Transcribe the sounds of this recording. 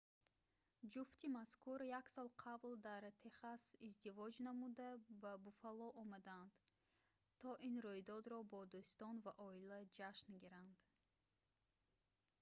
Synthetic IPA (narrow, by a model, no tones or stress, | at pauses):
d͡ʒuft̪ʰimaskuɾjaksɔlˠqʰabld̪aɾt̪ʰe̞χasizd̪ivɔd͡ʒnamud̪ababufalɔʔɔmad̪and̪ | t̪ʰːɔʔinɾujd̪ɔd̪ɾɔbɔd̪ust̪ɔnvaʔɔilad͡ʒaʃnɡiɾand̪̥